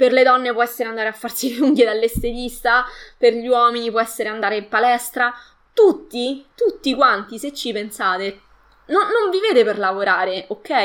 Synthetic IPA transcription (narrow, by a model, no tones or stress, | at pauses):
perled̪ɔnːepwɔɛsːeɾeand̪aɾeafːarsiluŋɡed̪alːest̪et̪ist̪aperʎiwɔːminipwɔɛsːeɾeand̪aːɾeimpalɛst̪ɾa | t̪ut̪ːit̪ut̪ːikwant̪iset͡ʃːipensaːt̪e | nonːoɱviveːt̪eperlavoɾaːɾeokːɛ